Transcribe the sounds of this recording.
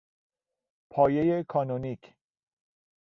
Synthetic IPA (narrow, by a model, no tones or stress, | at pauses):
pʰɒːjejekʰɒːnonicʰ